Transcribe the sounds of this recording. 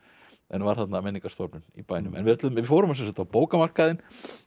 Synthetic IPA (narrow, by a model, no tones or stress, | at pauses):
ʔɛnvaɾ̥θat̪namɛnːiŋkast̪opnʏnḭpaːjnʏ̰mʔɛ̰nvɪðɛt̪ʏmɪfowɾʏmas̬ɛsḁt̪ːapoːwkamar̥kaðɪn